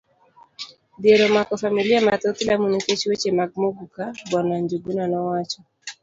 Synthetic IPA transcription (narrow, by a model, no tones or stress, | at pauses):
d̪ieɾɔmakɔfamiliamat̪ot̪ilamuniket͡ʃwet͡ʃemaɡ̚moɡukabwɔnwaɲd͡ʒuɡunanɔwat͡ʃɔ